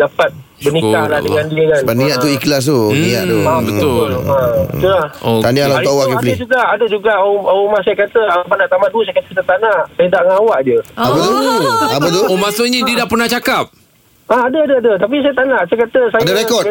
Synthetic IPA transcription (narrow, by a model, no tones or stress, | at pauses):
dapat̪̚ | bənika̰lahdəŋandiəkanbənĩaʔt̪uiklas̬t̪uniaʔt̪ubəoait̪ulaht̪anialat̪uawaʔkilid͡ʒuɡaʔːdəd͡ʒuɡaʔaumas̬ajakat̪əapanaʔt̪amaduəs̬ajkat̪ət̪at̪anaʔsajət̪aʔŋawaʔd͡ʒəabat̪uabat̪uomasoɲĩdədapərnaht͡ʃakap̚ | aadəadadət̪ap̬is̬ajat̪anaʔsajakat̪əsajadaɾekɔ